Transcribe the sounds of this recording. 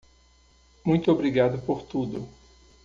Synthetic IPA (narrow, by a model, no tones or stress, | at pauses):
mũj̃t̪ʊobɾiɡad̪ʊpoɾt̪ud̪ʊ